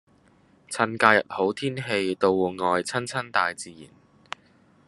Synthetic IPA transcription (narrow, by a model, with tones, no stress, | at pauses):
t͡sʰɐ˧˥nkaː˧jɐ̰˨t̚ho˨˥wt̪ʰiː˥nɦe˧jt̪o˧wuː˨ŋɔː˨jt͡sʰɐ˥nt͡sʰɐ˥nt̪aː˨jt͡siː˨jḭː˨˩n